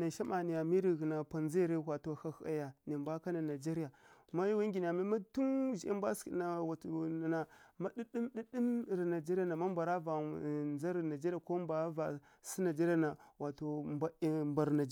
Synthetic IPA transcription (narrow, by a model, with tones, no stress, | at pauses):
na˨ʃa˦ma˨ni˨ja˨mi˦ɾi˨ɣi˨na˨pa˨nzi˦˨ɾe˦wʷa˨to˨ha˦ha̰˦ja˨ne˨mba˦ka˦na˨na˨d͡ʒe˦ɾi˦ja˨ma˦ju˦wa˦ŋɡʲi˨ni˨a˨mi˦ma˦tu˦ʒi˨ʔe˦mbʷa˦skḭ˨na˨wa˨a˨na˨ma˦di˦ɗi˦mɗi˦di˦m˨ɾi˨na˨d͡ʒe˦ɾi˦a˦˨na˨ma˦mba˨ɾa˦va˨nza˦ɾna˨d͡ʒe˦ɾi˦a˨ko˦mba˨˦va˨ | si˦na˨d͡ʒe˦ɾi˦a˦na˨wa˨to˨mba˦˨mba˨ɾna˨d͡ʒ